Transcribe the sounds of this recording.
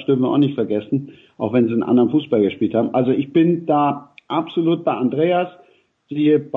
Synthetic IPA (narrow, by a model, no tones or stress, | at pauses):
sd̥ʏɐfn̩viːɐʔa̰ʊxnɪçtfɛɐɡɛsn̩ | ʔaʊxv̥ɛnziːənʔa̰ndəʁənfuːsb̥alɡəʃpiːlthaːbm̩ʔalzoʔɪçb̥ɪnd̥aːʔapz̥oluːt̚b̥aɪʔandʁeːas | z̥iːəb̥